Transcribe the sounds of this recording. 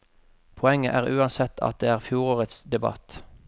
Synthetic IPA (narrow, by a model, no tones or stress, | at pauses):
pʰɔɛŋːəʔæːʁʉːɑnsɛt̪ʰɑ̰t̪̚d̪eːæːʁfjuːʁoːʁət̪sd̪ɛbɑ̰t̪